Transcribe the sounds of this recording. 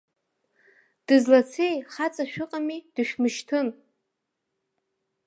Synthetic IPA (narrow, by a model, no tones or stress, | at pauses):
d̥ɨzlat͡sʰejχat͡sʼaʃᶣʊqʼamid̥ɨʃᶣmɨʃtʰɨn